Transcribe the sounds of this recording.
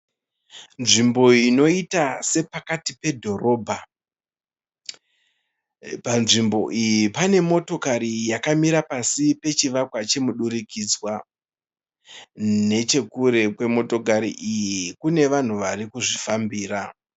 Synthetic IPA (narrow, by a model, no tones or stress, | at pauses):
nʐimbo̞ino̞itase̞pakatipe̞dʱo̞ɾo̞ːbʱa | panʐimbo̞̰ʔijipane̞mo̞to̞kaɾijakamiɾapasipe̞t͡ʃiʋakwat͡ʃe̞muɗuɾikid͡zwa | ne̞t͡ʃe̞kuɾe̞kwe̞mo̞to̞kaɾḭʔijikune̞ʋan̤uʋarikuʐifambiːɾa